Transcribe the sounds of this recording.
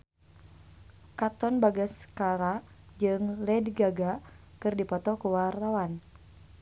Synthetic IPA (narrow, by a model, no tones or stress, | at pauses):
kat̪ɔnbaɡaskaɾa | d͡ʒɨŋlɛdɡaɡa | kɨrdipɔt̪ɔkuwart̪awan